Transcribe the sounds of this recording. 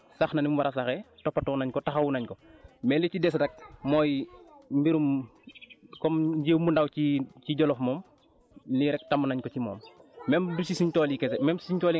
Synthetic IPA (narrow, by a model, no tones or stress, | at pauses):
saxnɐnimuwɐɾɐsaxɛtɔpːɐtɔwnɐɲkɔtaxɐwunɐɲkɔmɛːlicidɛsdɐk̚mɔːjmbiɾum | kɔmɲɟeːwmundawciciɟɔlɔfmɔːm | liɾɛk̚tamunɐɲkɔcimɔ̰ːmːɛmdusisiɲtɔːlikɛsɛmɛmsiɲtɔːli